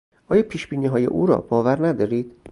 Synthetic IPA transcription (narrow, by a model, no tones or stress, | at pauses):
ʔɒːjɒːpʰiːʃb̥iːniːɦɒːjḛʔuːɾɒ̰ːb̥ɒːvæɾnæd̪ɒːɾiːd̪̥